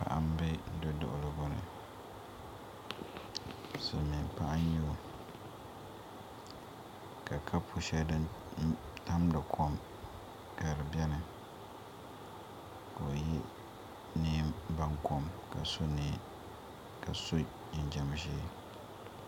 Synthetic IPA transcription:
pa̰˦˨ʔa̰˦m˦bɪ˦n̩˦dʊ˦dɔ̰˨ʔʊ̰˨lɨ˨bʊ˦nɨ̰˨ | sɨ˨mi˨npa˦ʔa˦ɲ˦ɲɛ˦o˨ | ka˨kʰa˦pʰu˨ʃɛ˦dɨ˦n˦ | ta˦mdɨ˨kʰo˦m | ka˨ɾɨ˨bjɛ˦nɨ˨ | ka˨o˨jɛ˦ | niː˦mba˦ŋko˨mka̰˨so˦niː˨ | ka˨so˦˨ | n̩˨d͡ʒa˨m˨˦ʃiː˦

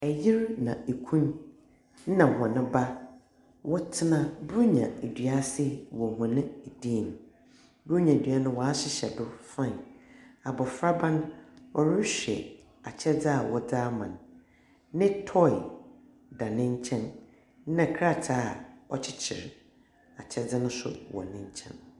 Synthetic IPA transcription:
ɛ˨ji˦ɾnã˨e˨kʰũ˦n̩˦ | nã˨hã˨nɪ̃˦ba˦ | wʔɔ˦tʰɪ˦nã˨bu˦ɲã̰˨e˨dɥa˦sɪ˦wɔ˨hã˨nɪ̃˦˨di˦˨n˨ | bu˦ɲã˨e˨dɥa˦nʊ̃˦wɔ˨a˦ɕɪ˦ɕɛ˨dʊ˦fã˦˨n˨a˨bɔ˨fɾa˦bã˦nɔ˨ɾɪ˦ɕᶣɛ̰˨ | a˨t͡ɕʰɛ˦d͡za˨wɔ˨d͡zaː˦mã̰˨n | nɪ̃˦tʰɔ˦˨ | da˨nɪ̃˦ɲ˦t͡ɕʰɛ̃˦n˦ | nã˨kʰɾa˦˨tʰa˦˨ɔ˦t͡ɕʰɪ˦t͡ɕʰɪ˨ɾ | a˨t͡ɕʰɛ˦d͡zɪ˦nʊ̃˦sʊ̰˨wɔ̰˨nɪ̃˦ɲ̩˦t͡ɕʰɛ̰̃˦n

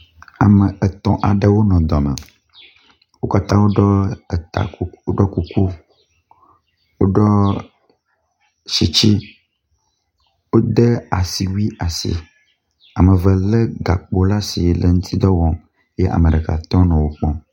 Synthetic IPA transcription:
a˨mə˨ɛ˨t̪ɔ̃˨ʔa˨ɖe˦wo˦nɔ̃˨d̪ɔ˨mə̰˨ | wo˦ka˦t̪ã˦wo˦ɖɔ˦ə˨t̪a̰˨˦o˦ɖɔ˦ku˨ku˦ | wo˦ɖɔ˦ | ʃi˨t͡ɕi˦ | wo˦d̪e˦a˨si˨wi˦a˨sḭ˨ | a˨mə̃˨və˨le˦ɡa˨k͡po˦la˦si˨lə˨ŋũ˦t̪ʰi˦d̪ɔ˦wɔ̃˨ | jɛ˦ʔa̰˨mə̃˨ɖɛ˨ka̰˨t̪ɔ̃˦nɔ̃˨wo˦k͡pɔ̃˦

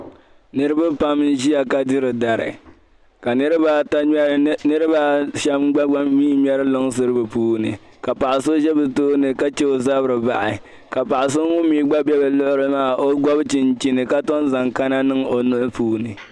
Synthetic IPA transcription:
nɨ˦ɾɨ˦ba˦pa˦mn̩˦ʒi˦ja˨ka˦dɨ˦ɾɨ˨da˨ɾɨ̰˨ | ka˨nɨ˦ɾɨ˦ba˦ta˦nɨ˦ɾɨ˦baː˦ʃɛ˦mɡ͡ba˦ɡ͡ba˦miː˦mʲɛ˦ɾɨ˦lo˦ŋsɨ˦ɾɨ˦bɨ˨puː˦nɨ̰˨ | ka˨pa˨ʔa˨so˦ʒɛ˦bɨ˨toː˦nɨ˨ka˦t͡ʃɛ˦o˦za˦bɨ˦ɾɨ˨ba˦˨ʔɪ˨ | ka˨pa˨ʔa˨s̬o˦ŋʊ˦miː˦ɡ͡ba˦bɛ˦bɨ˨lʊ˦ʔʊ˦ɾɨ˦maː˦˨o˦ɡa˦bt͡ʃɪ˨nt͡ʃi˦nɨ˨ka˦to˦nza˨ŋka˦na˦nɨ˦ŋo˨nʊ˦ʔʊ˦puː˦nɨ˨

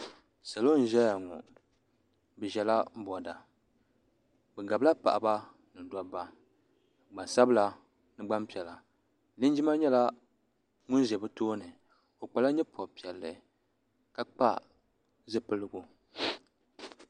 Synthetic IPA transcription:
sa˨lo˦n̩˨ʒɛ˦ja˨ŋɔ˨ | bɛ˨ʒɛ˨la˦m˦bɔ˨da˨ | bɛ˨ɡa˨bla˦pa̰˨ʔa˨ba˦ | nɨ˨da˦ba˦ | ɡ͡ba˨sa˦bɨ˦la˨ | nɨ˦ɡ͡ba˦mpi˨ɛ˨la˨ | nɨ˦n˦d͡ʒi˦ma˦ɲɛ˦la˦ | ŋu˦nʒɛ˨bɨ˦toː˦nɨ˨ | o˨k͡pa˨la˦ɲɛ˦pʰɔ˨pi˨ɛ˨lːɨ̰˨ | ka˦k͡pa̰˦ | zɨ˦pɨ˦lɨ˦ɡu˦

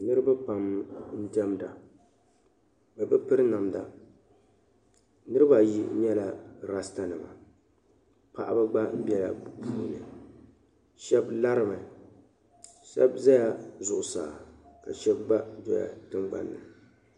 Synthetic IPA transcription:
nɨ˦ɾɨ˦ba˦pa˨mn̩˦dɛ˦mda˨ | bɛ˨bɨ˦pɨ˦ɾɨ˦na˨mda˨ | nɨ˦ɾɨ˦ba˨ji˦ɲɛ˦la˨ɾa˦sta˦nɨ˨ma̰˨ | pa̰˨ʔa˦ba˦ɡ͡ba˦m̩˦bi˦ɛ˦la̰˨puː˦˨nɨ˨ | ʃɛ˦bla˦ɾɨ˦ma˨ | ʃɛ̰˦bza˦ja˦zʊ˨ʔʊ˨saː˨ka̰˨ʃɛ˦b̚ɡ͡ba˦dɔ˨ja̰˨tɨ˦ŋɡ͡ba̰˨nːɨ˨

